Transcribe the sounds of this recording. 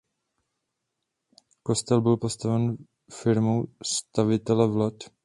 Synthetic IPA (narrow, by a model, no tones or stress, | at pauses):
ko̞st̪ɛlbɪlpo̞st̪avɛn | fɪɾmowst̪avɪt̪ɛlɛvlat̪